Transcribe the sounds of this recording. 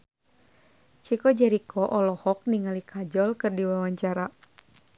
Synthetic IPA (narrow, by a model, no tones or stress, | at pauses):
t͡ʃikɔd͡ʒaɾikʰɔʔɔlɔhɔk̚niŋalikʰad͡ʒɔlkɨrdiwawaɲt͡ʃaɾa